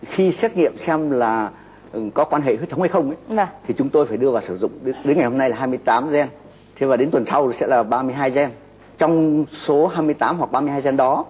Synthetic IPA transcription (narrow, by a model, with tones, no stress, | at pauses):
xi˧sɛ˦˥t̚ŋḭ˧˨əmsɛ˧mlaː˨˩ | kɔ˨˦kwaː˧nɦḛ˧˨hu˦˥t̪ʰə˦wha˧jxə˧wŋ͡mʔə˨˦˧t̪ʰi˨˩t͡ɕʊ˨˦ŋ͡mt̪o˧jfaː˧˩jɗɨ˧əvaː˨˩wsɨ˧˩zʊ̰˧˨ŋ͡mɗe˨˦nŋa˨˩jho˧na˧jlaː˨˩ɦaː˧jmɨ˧əjt̪aː˨˦mzɛ˧n | t̪ʰe˧vaː˨˩ɗe˨˦nt̪wə˨˩nsa˧wsɛ̰˧˥laː˨˩ɓaː˧mɨ˧əjɦaː˧jzɛ˧n | t͡ɕɔ˧wŋ͡mso˨˦ɦaː˧jmɨ˧əjt̪aː˨˦mhwa˨˩k̚ɓaː˧mɨ˧əhaː˧jzɛ˧nɗɔ˨˦